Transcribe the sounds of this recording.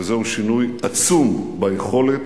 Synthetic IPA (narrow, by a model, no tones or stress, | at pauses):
zeuʃinujat͡sumbajeχo̞let